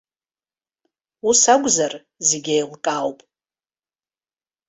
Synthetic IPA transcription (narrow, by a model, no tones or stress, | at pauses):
usaɡʷʼzar | zeɡʲejlkʼawpʼ